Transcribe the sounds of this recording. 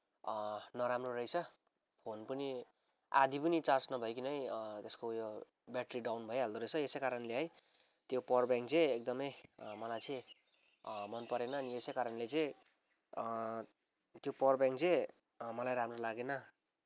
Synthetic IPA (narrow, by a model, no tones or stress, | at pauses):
nʌɾamrorʌjt͡sʰʌ | pʰonpʌni | a̰d̪ʱipʌnit͡sãt͡snʌbʱʌjokinʌjt̪eskojo | bjaʈriɖawnbʱʌeɦald̪oɾʌt͡sʰʌesʌjkaɾʌnleɦʌj | t̪jopʌrbjãŋk̚t͡seek̚d̪ʌmʌjmʌlajt͡sʌ̃ | mʌnpʌɾenʌːniesejkaɾʌnlet͡sʌj̃ | t̪jopʌrbjãŋk̚t͡sẽ | mʌlajɾamrolaɡenʌ